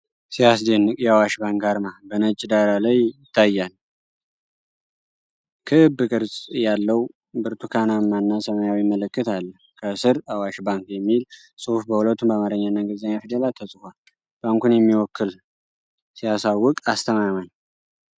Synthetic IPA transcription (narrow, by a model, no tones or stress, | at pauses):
sijas̬d̪enːɨkʼjɛawaʃbaŋkaɾmabənət͡ʃʼːd̪aɾalajɪt̪ʰːajːal | kʰɨɨbːɨkʼɨɾsʼjalːəw | bɨɾt̪ʰukʰanamːanːasəmajawjɪmːələkːɨt̪alːəhkʰəsɨɾawaʃbaŋkjɛmːil | sʼofbəhulət̪ʰːumbamaɾəɲːanaɡəzəɲːafid̪əlalt̪ʰəsʼɨhʷal | b̥aŋkunjɛmːiwɔkːɨl | sijasawːɔkʼast̪ʰəmaman